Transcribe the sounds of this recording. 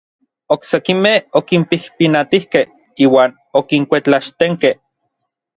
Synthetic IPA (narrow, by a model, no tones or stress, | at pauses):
oksekimehokimpihpinat̪ihkeh | iːwaːn | okiŋkʷet͡ɬaʃt̪eŋkeh